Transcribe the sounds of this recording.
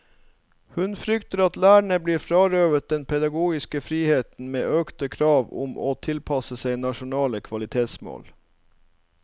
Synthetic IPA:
hʉnfɾʏkt̪əɾɑt̪læːɳəbliːɾfɾɑːɾøːʋət̪̚d̪ɛnpʰɛd̪ɑɡuːɡɪskəfɾiːheːt̪n̩mḛːʔøːkt̪əkʰɾɑːʋʊ̰mʔo̰ːt̪ʰɪlpʰɑsəsæɪnɑʃʊnɑːləkʰʋɑlɪt̪ʰeːt̪smo̰ːl

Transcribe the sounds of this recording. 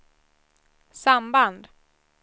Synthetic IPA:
samband̪

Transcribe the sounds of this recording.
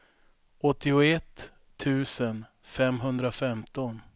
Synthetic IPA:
ʔɔt̪ːɪʊɛt̪ʰː | ʉ̟ːsən | fɛmɦɵnd̪ɾafɛmt̪ɔn

